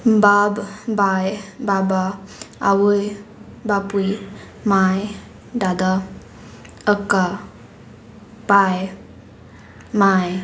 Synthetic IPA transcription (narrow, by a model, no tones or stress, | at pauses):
babbajbabaa̰wuj | bapuj | maj | dad̪a | əka | paj | maj